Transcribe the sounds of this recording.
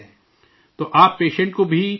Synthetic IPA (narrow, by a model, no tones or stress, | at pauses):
t̪oʔaːpːeːʃə̃ɳʈkobʱi